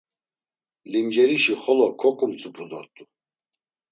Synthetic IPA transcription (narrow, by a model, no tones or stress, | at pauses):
limd͡ʒɛɾiʃiχɔlɔkʰɔkʼumt͡sʼubud̪ɔɾt̪ʼu